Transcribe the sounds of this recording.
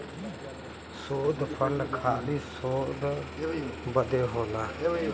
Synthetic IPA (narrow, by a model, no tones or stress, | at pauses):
soːd̪pʰənkʰaːliːsoːd̪ | bəd̪eːɦoːlaː